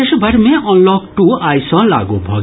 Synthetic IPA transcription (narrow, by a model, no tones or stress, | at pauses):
eʃɔbʱaɾmeʔɔnlɔkʈuajsɔla̰ɡubʱɔ̰ɡ